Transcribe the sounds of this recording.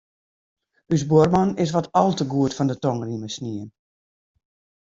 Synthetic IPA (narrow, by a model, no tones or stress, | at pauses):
ysboərmɔnɪs̬ʋɔtʰɔlˠtəɡuətfɔndətɔŋriməsniən